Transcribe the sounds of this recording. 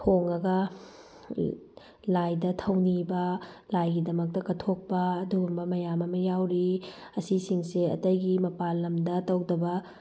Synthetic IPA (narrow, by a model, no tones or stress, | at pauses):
hoŋɐɡɐ | lajdɐtʰɐwnibɐlajɡidɐmɐk̚tɐkɐtʰok̚pɐːduɡumbɐmɐjamɐmɐjawɾiɐsisiŋseɐ̰tɐjɡimɐpalːɐmdɐtɐwdɐbɐ